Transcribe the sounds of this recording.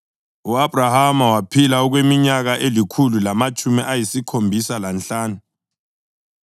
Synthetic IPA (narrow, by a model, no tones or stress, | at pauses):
uabrahamawapʰilaɔk̬wemiɲaɣ̬aʔelikʰululamat͡ʃʰʼumiʔajisikʰombʱisalanɬaːnu